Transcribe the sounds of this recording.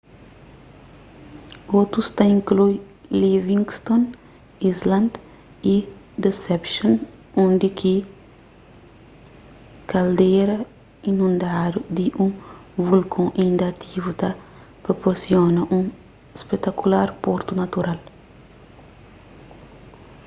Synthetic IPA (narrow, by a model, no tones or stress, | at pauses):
ot̪ɾust̪aĩŋkluj | livĩŋɡst̪õn | izlɐ̃nd̪ | i | d̪esɛpʃõn | õnd̪ɪkʰi | kɐld̪ejɾɐ | inũnd̪ad̪ud̪ɪʔũvulkʰõaĩnd̪ɐat̪ʰivut̪a | pɾopoɾsjonɐʔũ | ispet̪akulaɾpoɾt̪unɐt̪uɾal